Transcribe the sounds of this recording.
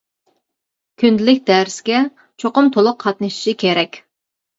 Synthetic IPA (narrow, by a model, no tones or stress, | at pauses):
kʲʰynd̪ɪlɪk̚ʲd̪æɾɪskʲɛ | t͡ʃʰoqʊmt̪ʰolˠʊq̚ʰɑt̪nɨʃi̥ʃikʲʰeɾɛkʲ